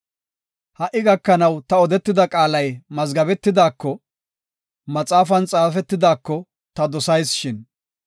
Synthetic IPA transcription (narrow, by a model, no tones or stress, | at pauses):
hɐʔːɪɡɐkːɐnɐwt̪ɐɔd̪ɛt̪ːɪd̪ɐkʼaːlɐjmɐzɡɐbɛt̪ːɪd̪aːkːɔ | mɐt͡sʼaːfɐnt͡sʼaːfɛt̪ːɪd̪aːkːɔ | t̪ɐd̪ɔsɐjsʃɪn